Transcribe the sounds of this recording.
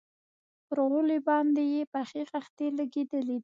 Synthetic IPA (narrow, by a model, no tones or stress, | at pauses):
pɾɣulibɑnd̪ejepaxixaxt̪elaɡed̪əlid̪i